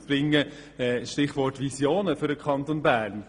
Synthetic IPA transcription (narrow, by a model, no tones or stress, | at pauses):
bɾɪŋːə | ɛːʃtɪχʋɔrtʋisjoːnəfʏɾəkχɑnt̪onbæːɾn